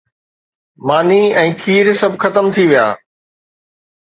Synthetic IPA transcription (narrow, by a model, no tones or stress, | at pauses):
maːniɛ̃ːkʰiːɾsɐbʱxɐt̪əmt̪ʰiʋija̰ː